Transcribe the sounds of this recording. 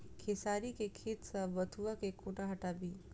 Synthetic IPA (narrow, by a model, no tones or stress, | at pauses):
kʰesaːɾikekʰeːt̪səʋɐt̪ʰuakekũːʈaɦɐʈaːbi